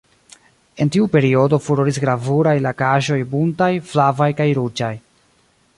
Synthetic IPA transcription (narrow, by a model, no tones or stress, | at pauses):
e̞ntiupe̞ɾio̞do̞fuɾoɾisɡɾavuɾajlakaʒo̞jbuntajflavajkajɾud͡ʒaj